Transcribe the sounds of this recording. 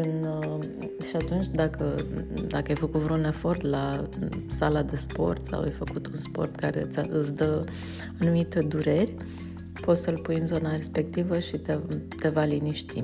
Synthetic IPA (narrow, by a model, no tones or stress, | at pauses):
ɨn | ʃiat̪unt͡ʃʲd̪akʰəd̪akəajfəkut̪vɾounefo̞rt̪lasalad̪e̞spo̞̰rt̪sa̰wa̰jfəkut̪unspo̞̰rt̪kaɾe̞ɨt̪sʲaʔɨt̪sʲd̪ə | anumit̪ed̪uɾe̞rʲ | po̞t̪səlpujɨnzo̞naɾe̞spe̞k̚t̪ivəʃit̪et̪e̞valiniʃt̪i